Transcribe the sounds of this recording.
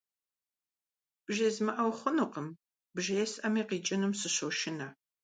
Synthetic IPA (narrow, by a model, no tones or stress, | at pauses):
b̥ʒɐzmɐʔɐwχʷʊnuqəm | bʒɐjɛsʔɐmiːqiːt͡ʃʼɐnɨmsɨɕowʃɪnɐ